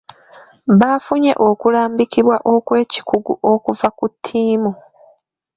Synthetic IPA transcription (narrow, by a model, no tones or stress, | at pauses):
βafuɲe̞̰ʔo̞kulaːmbikiβwaʔo̞kwe̞ːci̥kuɡuʔo̞kuvakutʰːiːmu